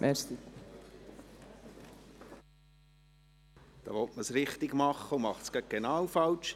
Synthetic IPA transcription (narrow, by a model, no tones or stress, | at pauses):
ʔɛst̪i | d̪̥ɑ̰ːʋɔtməsɾɪχt̪ɪɡmɑχːəumɑχtskɑk̚ɡ̥enɑːwfɑlt͡ʃ